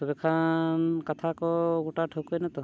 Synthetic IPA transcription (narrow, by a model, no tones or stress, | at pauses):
ɔbekʰankat̪ʰakɔɡuʈaʈʰəwkɔjnat̪ɔ